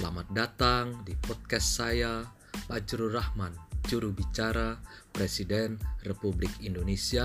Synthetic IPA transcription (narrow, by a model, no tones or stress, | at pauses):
la̰mat̪̚dat̪aŋdipɔt̪̚kɛsːaja | pad͡ʒɾuɾahmand͡ʒuɾubit͡ʃaɾapɾesidɛnrepublɪkindonesia